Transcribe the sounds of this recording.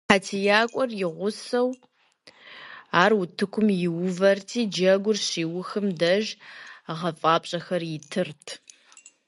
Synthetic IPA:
ħaːtʰijaːkʷʼɔrjɪʁʷʊsɐw | aːrwʊtʰɨkʷʰʊmjɪwʊvɐrtʰiːd͡ʒɐɡʷʊrɕiːwʊxɨmdɐʒʁɐfʼaːpʼɕʼɐxɐrjɪtʰɨrtʰ

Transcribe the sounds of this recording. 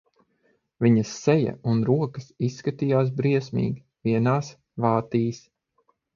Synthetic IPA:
viɲɐsːɛja̰unɾuɔkɐsisːkat̪ijaːs̬bɾiɛsmḭːɡʲi | viɛnaːs | vaːt̪iːs

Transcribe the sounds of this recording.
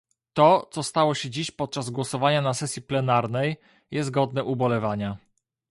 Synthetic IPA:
t̪ɔt̪sɔst̪awɔɕɛd͡ʑiɕpɔt̪̚t͡ʂazɡwɔsɔvaɲanasɛsʲjiplɛnaɾnɛj | jɛzɡɔd̪nɛʔubɔlɛvaɲa

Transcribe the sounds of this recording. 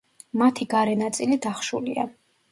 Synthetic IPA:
mat̪ʰiɡaɾɛnat̪sʼilid̪aχʃṵlḭa

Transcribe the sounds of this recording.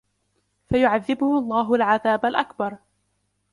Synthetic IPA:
fajʊʕaðːɪbʊhʊɑlˤːɑːɦʊalʕaðaːbalʔakbɑɾˤ

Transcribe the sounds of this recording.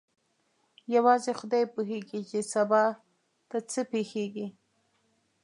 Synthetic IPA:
jawɑzexʊd̪ɑjpuɦeɡit͡ʃesabɑ | t̪at͡səpexeɡi

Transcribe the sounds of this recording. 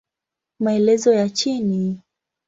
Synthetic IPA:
maɛlɛzɔjat͡ʃini

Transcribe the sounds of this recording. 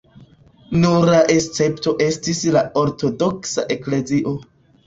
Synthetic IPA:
nuɾaʔest͡se̞pto̞ʔe̞stislao̞ɾto̞do̞ksa̰ʔe̞kle̞ziʔo̞

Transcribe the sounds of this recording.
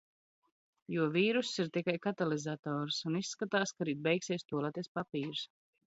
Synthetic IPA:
juɔviːɾusːiɾt̪ikajkat̪alizat̪ɔːɾsunisːkat̪aːskaɾiːd̪̚bɛjksiɛst̪uɔlˠaːt̪iɛspapiːɾs

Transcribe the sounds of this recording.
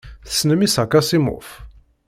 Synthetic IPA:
θə̥sːnəmisakːasimʊ̰ʁf

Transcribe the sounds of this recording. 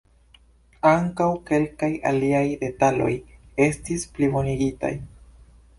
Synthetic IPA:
aŋkawke̞lkaja̰liajde̞talo̞̰je̞stisplimoniɡita̰j

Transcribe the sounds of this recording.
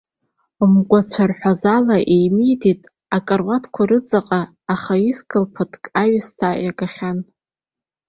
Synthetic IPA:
mɡʷat͡sʷʰarħʷᶣazalaʔejmijtʰetʼ | akʼarwatʰkʷʰaɾɨt͡sʼaqʼaː | χaiskʼɨlpʰɨtʰʼkʼaɥstʰajakʼaχʲan

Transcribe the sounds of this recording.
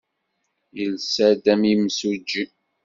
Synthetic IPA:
jəlsæd̪æmimsud͡ʒːi

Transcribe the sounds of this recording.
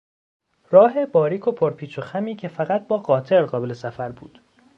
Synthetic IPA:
rɒːɦe̞bɒːɾiːkʰo̞pʰoɾpʰiːt͡ʃʰoxæmiːcʰe̞fæɣæt̪̚bɒːɢɒːt̪ʰe̞ɾɢɒːbe̞le̞sæfæɾbṵːd̪̥

